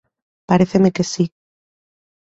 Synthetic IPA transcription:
paɾeθemekesi

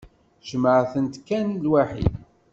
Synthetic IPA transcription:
ʒəməʕθənt̪kːænlwaħḭd

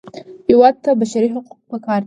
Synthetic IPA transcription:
iwattʰːabaʃaɾiħᶣaqʷʼpʰakʰar

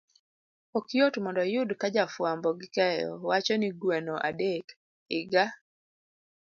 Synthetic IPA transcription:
okjotmɔndɔjʊdkad͡ʒafwambɔɡɪkɛjɔ̰wat͡ʃɔniɡwɛnoʔa̰dek | ɪɡa

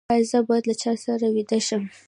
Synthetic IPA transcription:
ɑɪzabɑjad̪lat͡ʃɑsaɾawid̪aʃəm

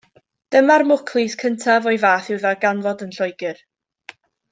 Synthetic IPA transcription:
d̥əmarmʊkʰlˠɪskʰəntʰavɔɨvaːθɪwðaɡanvɔdənɬɔjɡɪr

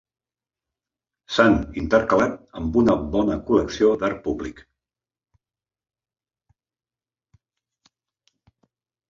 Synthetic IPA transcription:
sanint̪əɾkəlat̪əmbunəbɔnəkuləksiod̪aɾ̚puβlik

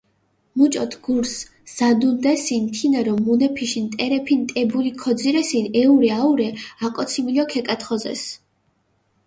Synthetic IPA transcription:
mut͡ʃʼɔt̪ʰɡ̥uɾs | z̥ad̪und̪ɛsint̪ʰinɛɾɔmunɛpʰiʃint̪ʼɛɾɛpʰint̪ʼɛbulikʰɔd̪ziɾɛsinɛuɾɛauɾɛakʼɔt̪sʰimilɔkʰɛkʼat̪ʰχɔzɛ̰s

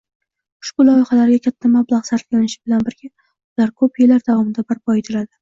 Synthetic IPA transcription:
ʊ̥ʃbʊlɒjɪχalaɾɡʲakʲʰat̪ʰːamablˠaʁsaɾt̪kʲanɪʃɪ̥bɪlanbɪɾɡʲa | ʊlaɾkʰɵpjelaɾd̪avɒmɪd̪abɪɾpʰɒet̪ʰɪlad̪ɪ

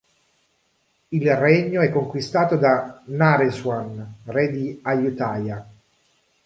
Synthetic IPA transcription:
ilrɛɲːoɛkːoŋkwist̪aːt̪od̪anaɾeswanrɛd̪iajut̪aːja

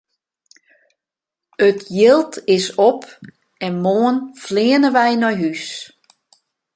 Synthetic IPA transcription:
ətʰjɪlˠtʰɪsɔp | ɛnmoənflɪənəʋɛjnɔjɦys

